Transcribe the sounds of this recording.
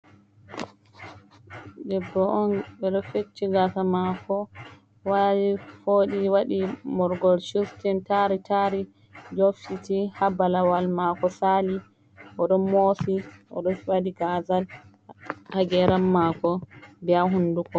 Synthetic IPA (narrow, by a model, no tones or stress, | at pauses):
dɛbːɔʔɔnbɛɗɔfet͡ʃːiɡatamakɔ | wadifoɗiwaɗimɔɾɡɔlʃustɛntaɾitʰaɾi | d͡ʒofsitihabalawalmakɔsali | ʔɔɗɔmosiʔɔ̰ɗɔwadiɡazal | haɡɛɾamːakɔbɛaɦundukɔ